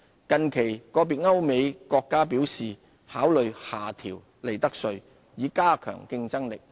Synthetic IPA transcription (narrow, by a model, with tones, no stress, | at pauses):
kɐ˨nkʰe˨˩jkɔː˧p̬iː˨t̚ŋɐ˥wme˨˧jkɔː˧kːaː˥piː˨˥wsiː˨ | haː˨˥wlɵ˨ɥhaː˨˩t̪ʰiː˨˩w | le˨˩jt̪ɐ˥k̚sɵ˧ɥ | jiː˨˧˥kaː˥kʰœ̰ː˨˩ŋkɪ˧ŋt͡sɐ˥ŋlɪ˨k̚